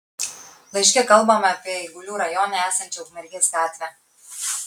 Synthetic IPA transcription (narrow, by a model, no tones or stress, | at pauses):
lˠɐɪʃʲkʲɛkɐlˠbɐmɐːpʲiɛiɪɡʊlʲuːɾɐjɔnɐæːsɐnʲt͡ʃʲɛʊʒmʲɛɾʲɡʲeːsɡɑːt̪ʲʋʲɛ